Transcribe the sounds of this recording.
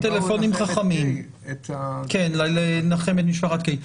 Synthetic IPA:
t̪elefo̞nimχaχamim | t̪kenlalenaχemet̪miʃfaχat̪kai

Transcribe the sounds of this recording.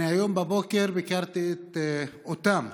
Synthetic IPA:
ajombabokeɾbekaɾt̪iet̪ot̪am

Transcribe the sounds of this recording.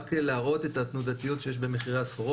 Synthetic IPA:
kelaaʁo̞t̪e̞tat̪nudat̪ijo̞tʃe̞jeʃbe̞me̞χiʁesoʁ

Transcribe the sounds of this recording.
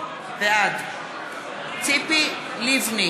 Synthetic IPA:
ðead | tipi | livnĩ

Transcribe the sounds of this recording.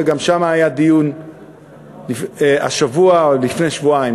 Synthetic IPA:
eɡamʃamaːjad̪ijun | lia̰ʃavualifne̞jʃvuaim

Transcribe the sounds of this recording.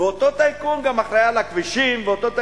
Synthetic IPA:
eot̪ot̪ajkumɡamaχɾajalakviʃimveot̪o̞t̪a

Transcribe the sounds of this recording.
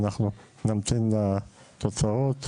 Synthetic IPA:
naχnu | namt̪ina | t̪ot͡saot̪

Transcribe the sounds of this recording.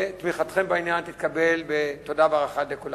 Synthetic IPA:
t̪miχat̪χembainjant̪it̪̚kabelbet̪odaveaʁaχat̪lekula

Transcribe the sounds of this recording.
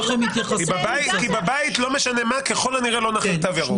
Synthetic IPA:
emit̪jaχaskibabait̪kibabait̪lo̞meʃane̞makeχo̞laniʁelo̞naχat̪avjaʁu

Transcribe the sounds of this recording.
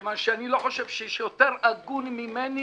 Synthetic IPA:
manʃeanilo̞ħoʃevʃeɛʃjot̪eʁaɡunmimeni

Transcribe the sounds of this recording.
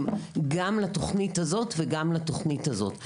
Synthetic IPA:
mɡamlato̞χnithazo̞tveɡamlato̞χnithazo̞̰t

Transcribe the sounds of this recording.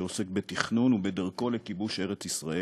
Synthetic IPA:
ose̞k̚bet̪iχnunubed̪ɐʁko̞lekibuʃe̞ʁet͡sisʁae

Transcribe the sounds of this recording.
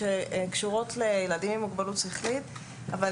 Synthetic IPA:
ekʃuʁo̞tlejeladimemːuɡbalutsiχlit | ava

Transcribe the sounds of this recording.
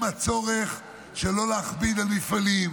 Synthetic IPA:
mat͡so̞ʁeχ | ʃelo̞leaχbid̪almifalim

